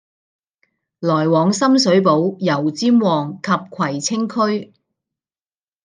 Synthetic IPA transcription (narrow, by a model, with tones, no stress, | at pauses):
lɔː˨˩jwɔː˨ŋsɐ˥msɵ˨˥ɥpo˨˥wjɐ˨˩wt͡siː˥mwɔː˨˩ŋkʰɐ˧p̚kʰɐ˨˩jt͡sʰɪ˥ŋkʰɵ˥ɥ